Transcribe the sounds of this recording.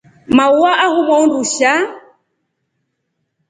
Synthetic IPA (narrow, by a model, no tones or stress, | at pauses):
mauwaʔahumɔunduʃa